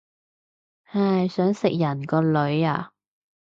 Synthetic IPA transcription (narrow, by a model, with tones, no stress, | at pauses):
aː˨˧˩jsœː˨˥ŋsɪ˨k̚jɐ˨˩nkɔː˧lɵ˨˥ɥa̰ː˧